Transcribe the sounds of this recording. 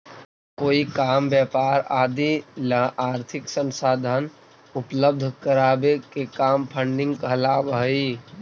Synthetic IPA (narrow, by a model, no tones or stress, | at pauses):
koːikaːmbjɛpaːɾaːd̪iləaːɾt̪ʰɪksə̃nsaːd̪ʱan | ʊpləb̚d̪ʱkəɾaːbekekaːmpʰəɳɖɪ̃ŋɡkəɦlaːbəi